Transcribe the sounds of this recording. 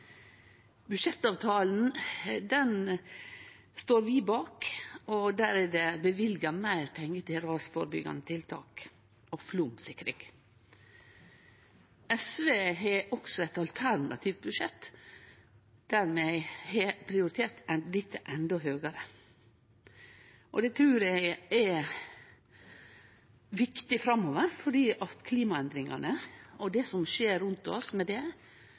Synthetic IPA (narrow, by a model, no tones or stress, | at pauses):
bʉʃɛt̪ːɑːʋt̪ʰɑːln̩d̪ɛn | st̪oːɾʋiːbɑːkɔd̪æːɾɛd̪ɛbəʋɪlɡəmæɪɾpʰɛŋːət̪ʰɪɾɑːsfɔɾbʏ̰ɡɑ̰nət̪ʰɪlt̪ʰɑ̰ːk | ɔflumsɪkːɾɪŋ | ɛsʋeːɦɛʔɔksɔɛt̪ɑlt̪ʰæɾnɑ̰t̪ʰiːʋt̪̚bʉʃɛt̪ː | d̪̥æɾmɛɪhepʰɾɪʊɾɪt̪ʰeːɾt̪ɛlɪt̪ːəʔɛnd̪ɔɦøːɡɑɾə | ʔɔd̪ɛt̪ʰɾʉːɾæɪɛ | ʋɪkt̪ɪfɾɑmːoːʋəɾfɔɖiːʔɑt̪kʰliːmɑɛnd̪ɾɪŋɑnəɔd̪ɛsɔmʃeːɾʉnt̪ɔ̰smɛd̪ɛ